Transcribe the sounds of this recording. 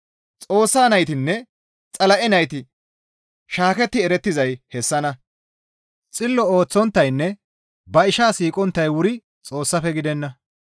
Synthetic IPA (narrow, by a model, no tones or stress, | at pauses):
t͡sʼo̞ːsːaːnɐjt̪ɪnːɛ | t͡sʼɐlɐʔɛnɐjt̪ɪ | ʃaːkɛt̪ːɪɛɾɛt̪ːɪzɐjhɛsːɐnɐ | t͡sʼɪlːɔoːt͡sːɔnt̪ːɐjnːɛ | bɐɪʃaːsiːkʼɔnt̪ːɐjwʊɾɪ | t͡sʼo̞ːsːɐfɛɡɪd̪ɛnːɐ